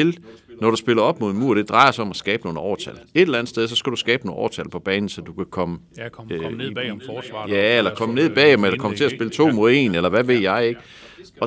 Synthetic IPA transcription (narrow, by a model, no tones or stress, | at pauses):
e̝lnɒɾ̥usb̥e̝lɐɒ̽b̥mo̝ðˠenmuɐd̥e̝d̥ʁɑ̈ɪɐsɑɒ̽mæsɡ̥ɛːb̥əno̝ːð̩ˠɒːt͡sʰæle̝d̥elæn̩sdeð̞ˠs̬ɒ̽sɡ̥æd̥usɡ̥ɛːb̥no̝ːʔɒ̰ːt͡sʰælpʰɒ̽b̥ɛːnn̩sɒ̽d̥ukʰækʰɒ̽mə | jæelɐkʰɒ̽məne̝ðˠb̥ɛ̰ːemelɐkʰɒ̽mt͡sʰe̝æsb̥e̝lət͡sʰo̝̰ːmoðˠe̝̰ːnelɐʋæʋe̝ð̰ˠjɑ̈ɪe̝ɡ̥ə | ɒ̽